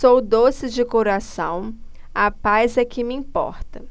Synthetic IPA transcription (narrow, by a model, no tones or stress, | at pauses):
owd̪osɪd͡ʒɪkoɾasɐ̃w̃ | apajzɛkɪmɪĩpɔ̰ɾt̪ɐ